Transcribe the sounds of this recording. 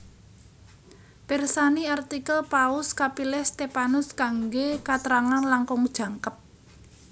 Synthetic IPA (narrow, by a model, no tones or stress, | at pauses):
pɛrsaniart̪ikəlpaʊskapilɛst̪epanʊskaŋɡekat̪əɾaŋanlaŋkɔŋd̥ʒ̥ä̤ŋkəp̚